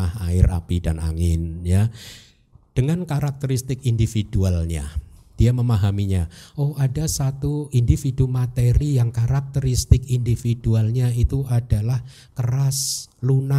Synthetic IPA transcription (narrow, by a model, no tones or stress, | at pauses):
aha̰ɪra̰pidana̰ŋɪnja | d̥əŋankaɾak̚t̪əɾist̪ɪkindifid̥ualɲa̰d̥iaməmaɦamiɲaohadasat̪uindifidumat̪eɾijaŋkaɾak̚t̪əɾist̪ɪkindifidualɲait̪uʔadalah | kərasluna